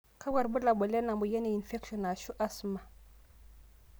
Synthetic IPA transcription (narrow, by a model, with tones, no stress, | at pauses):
kʰa˦wa˨ɾbu˦la˨bo˨le˦na˨mbu˨je˦ne˨i˨nfe˦kʃo˨na˨ʃu˦ʔa˦sma˨